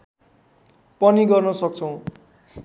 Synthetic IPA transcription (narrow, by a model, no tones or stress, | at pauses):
pʌniɡʌrnʌsʌk̚t͡sʰʌw̃